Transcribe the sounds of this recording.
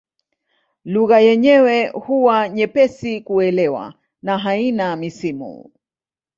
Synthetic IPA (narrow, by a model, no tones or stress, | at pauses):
luɣajɛɲɛwɛhuwaɲɛpɛsikuɛlɛwa̰ | naɦainamisimṵ